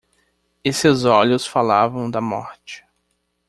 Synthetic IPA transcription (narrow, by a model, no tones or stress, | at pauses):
esɪzɔʎʊsfalavɐ̃w̃d̪ɐmɔ̰ɾt͡ʃɪ̥